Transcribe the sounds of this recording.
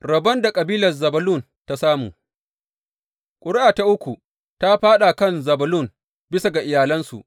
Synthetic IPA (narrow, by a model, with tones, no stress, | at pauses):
ɾɐ˨bɐ˦nda˨kʼɐ˨biː˦lɐ˨zɐ˨bɐ˨lʊ˦˨n | ta˦saː˦mṵː˨ | kʷʼʊ˨ɽɪ˦ʔaː˨ta˦ʔʊ˦kʷu˨ | ta˦ɸaː˦ɗa˨kɐ˦nzɐ˨bɐ˨lʊ˦˨n | bɪ˦sa˨ɡa˨ʔɪ˨jaː˨lɐ˦nsṵ˨ʔ